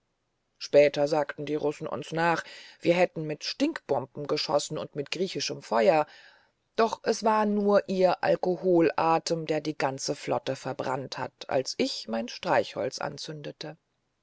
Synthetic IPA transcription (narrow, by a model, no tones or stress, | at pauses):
ʃpɛːtɐzaːktn̩diːʁʊsn̩ʔʊ̰nsnaːχv̥iːɐɦɛtn̩mɪtʃtɪŋkb̥ɔmpm̩ɡəʃɔ̰sn̩ʊ̰ntmɪtɡ̥ʁiːçɪʃəmfɔʏɐ | d̥ɔχʔɛsv̥aːɐnuːɐʔiːɐʔa̰lkohoːlʔaːtəmdeːɐdiːɡant͡səflɔ̰təfɛɐbʁa̰ntha̰tʔa̰lsʔɪçmaɪnʃtʁ̥aɪçhɔ̰lt͡sʔa̰nt͡sʏndətə